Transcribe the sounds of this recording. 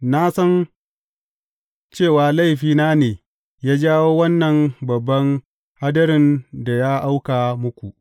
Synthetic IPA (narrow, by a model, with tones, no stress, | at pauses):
na˦sɐ˦n | t͡ʃeː˦˨waː˨la˦˨jɸiː˨naː˦neː˨ | jaː˦d͡ʒaː˦woː˦wɐ˦nːɐ˨ŋbɐ˨bːɐ˦ŋ | ha˦dɐ˦ɾɪ˨nda˨jaː˦ʔa˦wkaː˨mʊ˦kʷu˨ʔ